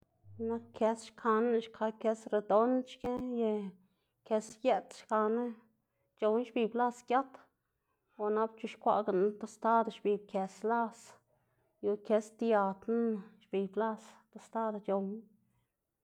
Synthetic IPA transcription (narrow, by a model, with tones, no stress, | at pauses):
na˦kkʰe˧sʃkʰa˧n˦ʃkʰa˧ke˧sɾe˧d̪o˧˦nt͡ʃke˦je˧ | ke˧sje˦t̪ʃka˧ne˦ | t͡ʃo˧wn˦ʃbi˧˨bla˦skʲja˦t̪ | o˧na˧˦b̚t͡ʃu˧ʃkʷa̰˧ʔɡa˨n˦t̪o˧st̪a˦d̪o˧ʃbi˧b̚ke˧sla˦s | ju˧ke˧st̪ja˧t̪na˦˧ʃbi˨bla˦st̪o˧st̪a˦d̪o˧t͡ʃo˨wn˦